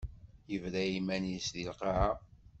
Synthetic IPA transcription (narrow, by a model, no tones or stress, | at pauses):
jəvɾæimænijsðilqɑʕa